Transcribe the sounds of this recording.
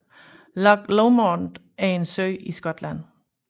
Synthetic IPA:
lɒɡ̥loʊmɒnd | æɐe̝nsøɪisɡ̥ɒ̽d̥læn̰

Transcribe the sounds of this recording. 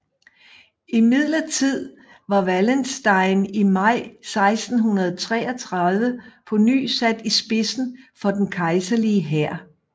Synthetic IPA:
imið̞ˠlɐt͡sʰið̞̰ˠ | ʋɑ̈ʋælənsd̥ɑ̈ɪnimɑ̈ɪ̰sɑ̈ɪsd̥n̩ɦunɐð̞̩ˠt͡sʰʁɛ̰ːɒt͡sʰʁɑ̈ðˠʋəpʰɒ̽ny̰ːsæd̥isb̥e̝sn̩fɒ̽d̥enkʰɑ̈ɪsɐliəɦæɐ̰

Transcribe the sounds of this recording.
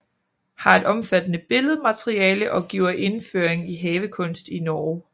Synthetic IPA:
hɑ̈e̝d̥ɒ̽mfæd̥ənəb̥e̝ləð̞̩ˠmæt͡sʰʁiɛːləʔɒ̽ɡ̥iʊ̰ɐʔe̝nføːɐ̰eŋiɦɛːʋəkʰɔ̽n̰sd̥inɒː

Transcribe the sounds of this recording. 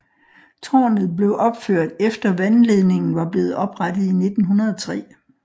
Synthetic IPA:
t͡sʰɒ̰ːnð̞̩ˠb̥le̝ʊʔɒ̽b̥føɐ̰d̥efd̥ɐʋænle̝ð̞ˠne̝ŋn̩ʋɑ̈b̥le̝ːð̩ˠɒ̽b̥ʁad̥ð̩ˠine̝d̥n̩ɦunɐð̞ˠɒt͡sʰʁɛ̰ː

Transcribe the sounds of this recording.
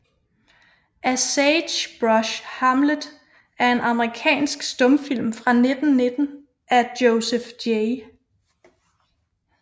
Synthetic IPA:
ʔæseɕb̥ʁɒɕhɑmlədˠ | æɐe̝nʔɑ̈məʁikʰɛ̰ːnsɡ̥sd̥ɔ̽mfil̰mfʁɑ̈ne̝d̥n̩ne̝d̥n̩ | æd̥joʊsefd̥e

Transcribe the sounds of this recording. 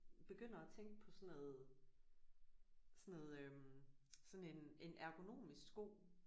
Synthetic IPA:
b̥e̝ɡ̥øn̰ɐæt͡sʰeŋɡ̥əpʰɒ̽sɔ̽noð̩ˠ | sɔnoð̩ˠømsɒ̽ne̝ne̝nʔæɐɡ̥o̝no̝̰ːmisɡ̥sɡ̥o̝̰ː

